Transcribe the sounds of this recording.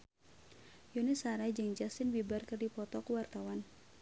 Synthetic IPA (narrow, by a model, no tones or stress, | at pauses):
jonɛsaɾad͡ʒɨŋd͡ʒasɪnbibarkərdipɔt̪ɔkuwart̪awan